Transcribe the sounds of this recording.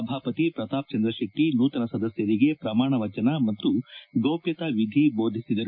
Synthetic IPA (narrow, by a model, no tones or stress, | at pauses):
ɐbʱaːpɐt̪ipɾɐt̪aːp̚t͡ʃɐnd̪ɾɐʃɐk̚ʈinuːt̪ɐnɐsɐd̪ɐsjɐɾiɡe̞pɾɐmaːɳɐʋɐt͡ʃɐnɐmɐt̪ːuɡoːpjɐt̪aʋid̪ʱiboːd̪ʱisid̪ɐɾu